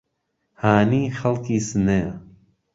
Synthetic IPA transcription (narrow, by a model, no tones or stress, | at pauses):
haːniːxɐlkiːsɨneː